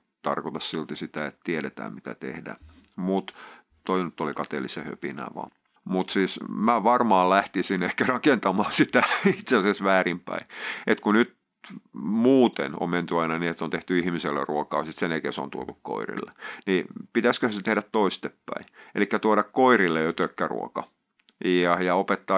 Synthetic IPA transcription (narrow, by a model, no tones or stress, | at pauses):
t̪ɑ̰rkot̪ɑssilt̪isit̪æet̪t̪ieɾet̪æ̰ːmmit̪æ̰t̪ḛhdæ̰ː | mut̪ | t̪oinyt̪ːolikɑt̪ḛlisehø̰pinæ̰ʋɑ̰ː | mut̪siːsmæʋɑrmɑːllæht̪isinehkærɑkent̪ɑmɑːsit̪æit̪seɑsesʋæːrimpæ̰iet̪kunyt̪ | muːt̪ḛno̰mment̪yɑinɑniet̪ːont̪eht̪yihmiselːḛruokɑ̰ːsit̪senekḛso̰nt̪uot̪ukko̰irḭlːḛnipit̪æskøhset̪ehɾæt̪t̪oist̪epːæ̰iḛlikːæt̪uoɾɑkkoirilːejot̪økːærṵo̰kɑ | ɑjɑopet̪ːɑː